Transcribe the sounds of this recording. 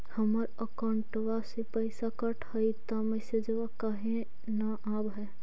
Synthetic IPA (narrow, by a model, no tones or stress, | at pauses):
hɐməɾəkaʊɳʈʋasepəɪsakɐʈʰhɐit̪amɛsed͡ʒʋakaɦẽ | naʔaːbɦɛː